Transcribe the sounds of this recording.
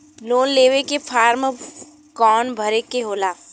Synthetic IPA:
loːnleːʋekefʰaːɾm | kɔːnbʱəɾekeɦoːlaː

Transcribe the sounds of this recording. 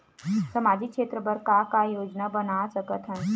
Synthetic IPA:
səmad͡ʑʱiːkʂet̪ɾəbəɾkakajod͡ʑnabənasəkət̪ʰə̃n

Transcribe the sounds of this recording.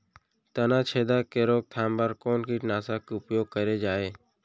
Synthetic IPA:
t̪ənaːt͡ʃʰeːd̪aːkeːɾoːk̚t̪ʰaːmbəɾkoːnkiːʈnaːsaːkʊpjoːɡ̚kəɾeːd͡ʒaːeː

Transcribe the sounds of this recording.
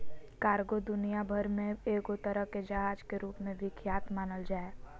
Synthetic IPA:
kaːɾɡod̪ʊnijabʱəɾmẽeːɡot̪əɾəɦked͡ʒəɦaːd͡ʒkeɾuːpmẽbʱɪkʰjaːt̪maːnəld͡ʒaːeː

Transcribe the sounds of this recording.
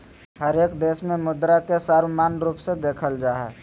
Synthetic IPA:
həɾeːkd̪eːsmẽmʊd̪ɾakesaːɾwmaːnɾuːpsed̪eːkʰəld͡ʒaːɦɛ̰ː

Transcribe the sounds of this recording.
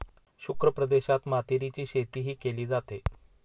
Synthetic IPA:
ɕukɾəpɾəd̪eɕat̪mat̪iɾit͡ɕiːɕet̪iːɦiːkeliːd͡zat̪e

